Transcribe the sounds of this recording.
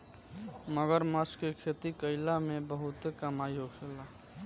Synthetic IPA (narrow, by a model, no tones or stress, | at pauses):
məɡəɾməskekʰet̪ikəɪlamebəɦut̪ekəmajoɡt͡ʃʰela